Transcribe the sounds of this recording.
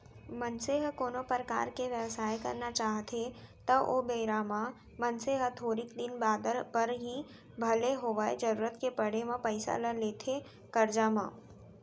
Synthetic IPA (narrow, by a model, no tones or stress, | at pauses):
mənseɦkoːnopəɾəka̰ːɾkeʋjəʋsaːjkɐ̰ɾnat͡ʃaːɦt̪ʰet̪ɐʔobejɾaːma | mənseɦət̪ʰoːɾikd̪ɪnbaːd̪əɾpəɾɦi | bʱəleɦoːʋaed͡ʒəɾuːɾət̪kepəɽemãpəɪsa̰ləleːt̪ʰe | kəɾd͡ʒaːmãː